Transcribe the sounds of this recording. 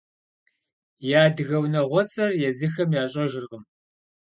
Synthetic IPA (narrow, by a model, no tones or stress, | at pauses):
jaːdɨɣɐwnɐʁʷɔt͡sʼɐrjɛzɨxɐmjaːɕʼɐʒɪrʁəm